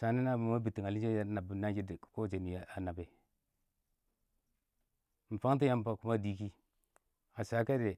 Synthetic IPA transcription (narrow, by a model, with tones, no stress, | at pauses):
sa˨ni˦na˦ba˨ma˦bi˨ti˨ŋa˨li˦d͡ʒe˦ja˦na˨bu˨na˦d͡ʒi˦dko˦˨d͡ʒe˨ni˨ja˨a˨na˨be˨ | m̩˨fa˦ŋ˦t̬i˦ja˦m˨pa˨ku˦ma˦di˦ki˦ | a˨sa˨˦ka˦de˨